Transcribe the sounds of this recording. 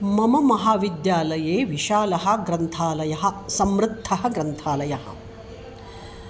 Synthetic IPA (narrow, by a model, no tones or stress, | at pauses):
mɐmɐmɐɦaːʋid̪jaːlɐjeːʋiʃaːlɐɦɐ̆ɡɾɐnt̪ʰaːlɐjɐɦɐ̆sɐmɾɪt̪ʰːɐɦɐ̆ɡɾɐnt̪ʰaːlɐjɐɦɐ̰̆